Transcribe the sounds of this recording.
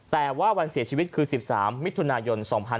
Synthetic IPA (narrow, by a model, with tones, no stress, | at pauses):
t̪ɛː˨˩waː˥˩wa˧nsi˨˩˦ət͡ɕʰiː˧wi˦˥t̪̚kʰɯː˧si˨˩p̚saː˩˦mːi˦˥t̪ʰːu˧naː˧jo˧nsɔː˩˦ŋpʰa˧n